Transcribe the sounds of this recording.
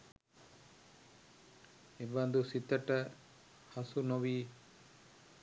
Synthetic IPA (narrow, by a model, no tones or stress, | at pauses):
ebɐnd̪usit̪ɐʈɐ | hɐsunoʋiː